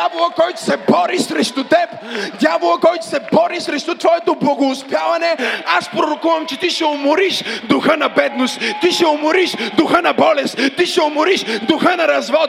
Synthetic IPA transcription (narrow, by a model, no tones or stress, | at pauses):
avolˠəkɔjt̪ʊ̥sɛbɔɾisɾɛʃt̪ʊt̪ɛp | d̪ʲjavolˠəkɔjt̪ʊ̥sɛbɔɾisɾɛʃt̪ʊt̪vɔɛt̪oblˠɐɡoːspjavɐnɛaspɾoɾokuvɐmt͡ʃɛt̪iʃɛomoɾiʃd̪ʊxənɐbɛd̪nost̪t̪ːiʃɛʊmoɾiʃd̪ʊxənɐbɔlɛst̪t̪ːiʃɛʊmʊɾiʃd̪ʊxənɐɾɐzvɔt̪